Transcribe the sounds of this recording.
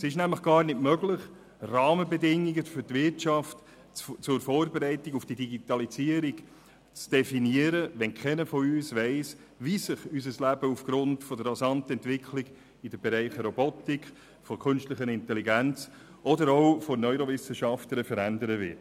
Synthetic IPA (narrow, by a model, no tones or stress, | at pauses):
ɛsɪʃnæmləχɡ̥ɑːɾnɪtmœɡlɪχ | rɑːməbɛdɪŋːiɡəfʏɾtvɪɾt͡ʃɑft | t͡sʊɾfɔːɾbeɾɛɪtiɡufd̥idiɡitɑlisiəɾik | t͡sd̥ɛfiniəɾəʋɛnkʰɛnəfɔyːsʋɛɪs | ʋisɪχysəslæbəufɡ̥ɾʊntfɔdəɾːasɑntəɛntvɪkʰliɡ | id̥əb̥ɛɾɛɪχəɾɔbɔtik | fɔkʰʏnstləχənɪntɛliɡænt͡s | ɔdəɾoʊfɔnœʏɾɔvɪsəʃɑftəɾəfəɾændəɾəʋɪ̰t